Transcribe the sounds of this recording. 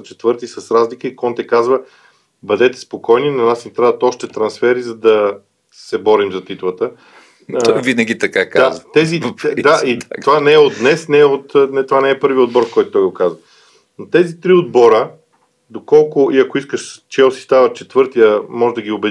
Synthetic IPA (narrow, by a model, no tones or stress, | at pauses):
t͡ʃɛ̥t̪v̥ɤɾt̪isɐsɾazlikəikɔnt̪ɛkazvə | bɐd̪ɛt̪ɛ̥spokɔjninɐnasint̪ɾad̪ət̪ɔʃt̪ɛt̪ɾɐnsfɛɾizɐd̪ɐ | sɛbɔɾimzɐt̪it̪vˠət̪ə | vinəɡʲit̪ɐkakaazvt̪ɛzid̪aʔiovanɛːod̪d̪nɛsnɛɛot̪nɛt̪ovanɛɛpɤɾviəod̪̚bɔɾkɔjt̪ʊt̪ɔjɡokazvɐ | not̪ɛzit̪ɾiod̪̚bɔɾə | d̪okɔlˠkʊʔiɐkoiskəʃt͡ʃɛosi̥st̪avət͡ʃɛt̪vɤɾt̪ijəmɔʒɛd̪ɐɡʲiobɛ